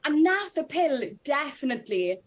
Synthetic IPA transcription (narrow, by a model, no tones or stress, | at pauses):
ənːaθəpʰɪlˠd̥ɛfənətʰli